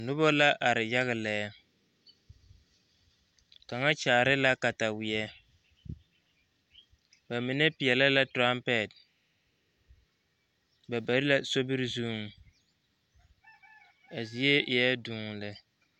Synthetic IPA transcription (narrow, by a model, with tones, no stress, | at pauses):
nʊ˦bɔ˦la˦ʔa˨ɾɪ˨ja˦ɣɪ˨lɛ˨˦ | ka˨ŋa˦t͡ʃaː˨ɾɪ˦la˦ka˨ta˨wɪ˨ɛ˦ | ba˨mi˨nɛ˦pɪ˨ɛ˨lɛ˦la˦tɾa˦mpɛ˦˨t̚ | ba˨ba˨ɾɪ˦la˦so˦bɪ˦ɾzu˦ŋ˦ | a˨zi˨je˦ʔɪ˨ɛ˦duː˦ŋ˨lɛ˦